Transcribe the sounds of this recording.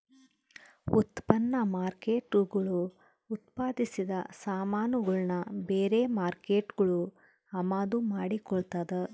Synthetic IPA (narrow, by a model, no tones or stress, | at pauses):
ut̪pɐnːɐmaːɾke̞ːʈuɡɐɭuː | t̪paːd̪isid̪ɐsaːmaːnuɡɐɭnɐbeːɾeːmaːɾke̞ːʈɡɐɭu | ɐmaːd̪umaːɽikɔɭt̪ad̪e